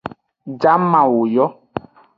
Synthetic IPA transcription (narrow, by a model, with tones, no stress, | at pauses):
d͡ʒa˦mã˨wo˨jɔ˦